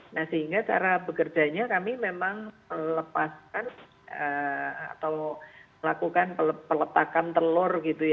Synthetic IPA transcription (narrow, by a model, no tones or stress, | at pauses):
nahsəɦiŋɡat͡ʃa̰ɾabəkərd͡ʒaɲakamimemaŋmələpaskan | əa̰t̪awməlakukanpələpələt̪akant̪əlʊrɡit̪uja